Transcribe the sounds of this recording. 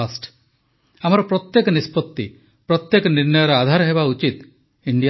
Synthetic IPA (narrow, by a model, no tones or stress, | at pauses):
asʈ | am̤ɔɾɔpɾɔt̪jekɔnispɔt̪ːi | pɾɔt̪jekɔniɾnɔjɔɾead̪ʱaɾɔɦebaut͡ʃit̪ | iɳɖija